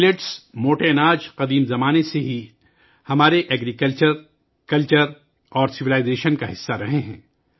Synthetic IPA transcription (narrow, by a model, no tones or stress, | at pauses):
leʈsmoːʈeːnaːd͡ʒqɐd̪iːmzɐmaːneseɦi | hɐmaːɾeʔɛɡɾikəlt͡ʃəɾ | kɐlt͡ʃəɾ | ɔːɾsɪʋilaːɪzeːʃənkaɦɪsːaɾɐɦeɦɛ̰̃ː